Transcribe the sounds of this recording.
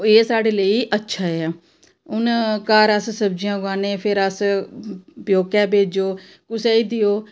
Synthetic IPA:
eːsaːɖeːləiːʔətːʃʰaːɛː | ʊnkaːɾəssəbd͡ʒijãːɡaːneːpʰɪɾəs | pjoːkɛːbʱeːd͡ʒoː | kʊseːiːd̪ɪjoː

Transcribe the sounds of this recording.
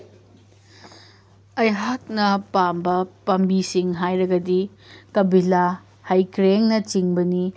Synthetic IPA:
ɐjɦak̚nɐpambɐpɐmbisiŋɦajɾɐɡɐdikɐbila | hajkɾeŋnɐt͡ʃiŋbɐni

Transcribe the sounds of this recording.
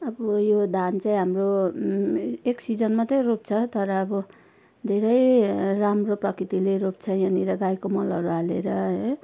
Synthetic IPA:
ʌbʌjod̪ʱant͡saĩɦamro | eksid͡zʌnmat̪ʌj̃rop̚t͡sʰʌt̪ʌɾʌːbʌ | d̪ʱeɾʌjramroprʌkrit̪ileɾop̚t͡sʰʌjʌniɾʌɡajkomʌlʌɾualeɾʌɦʌj

